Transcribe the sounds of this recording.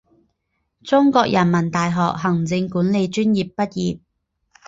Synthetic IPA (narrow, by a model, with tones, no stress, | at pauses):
t͡sʊ˥ŋkɔː˧k̚jʔɐ˨˩nmɐ˨˩nt̪aː˨jɦɔː˨k̚ɦɐ˨˩ŋt͡sɪ˧ŋkuː˨˥nle˨˧jt͡ʃyː˥njiː˨pːɐ˥t̚jiː˨p̚